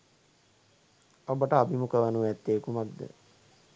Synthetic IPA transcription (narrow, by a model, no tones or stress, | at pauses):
abəʈəabimukəʋənuʋɛt̪ːeːkumak̚d̪ə̰